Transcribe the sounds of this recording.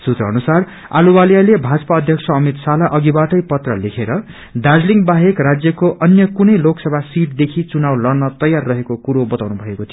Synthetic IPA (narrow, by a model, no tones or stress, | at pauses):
sut̪rʌːnusar | a̰lubaljalebʱad͡zʌpaʌd̪ʱjʌksʰʌʌmit̪salaʔʌɡibaʈʌjpʌt̪rʌlekʰeɾʌ | d̪ad͡zliŋbaɦekrad͡zjʌkoʔʌnjʌkunʌjloksʌbʱasiʈ̚d̪ekʰit͡sunawlʌrnʌt̪ʌjarːʌɦekokuɾobʌt̪awnubʱʌekot̪ʰijo